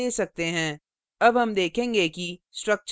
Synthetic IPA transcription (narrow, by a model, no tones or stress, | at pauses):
eːsɐk̚t̪eɦɛ̃ː | ɐbɦɐmd̪eːkʰẽːŋɡekisʈɾɐk̚t͡ʃ